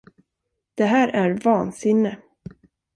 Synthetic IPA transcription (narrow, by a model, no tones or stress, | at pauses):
d̪̥ɛɦæːɾʔæɾvɑːnsɪnːə